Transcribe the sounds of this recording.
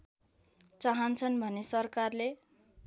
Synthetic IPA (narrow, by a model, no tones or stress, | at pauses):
t͡saɦʌnt͡sʰʌnbʱʌnesʌrkarle